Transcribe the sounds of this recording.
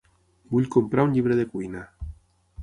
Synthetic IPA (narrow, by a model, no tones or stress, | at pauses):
buʎkompɾauɲʎiβ̞ɾeðekuina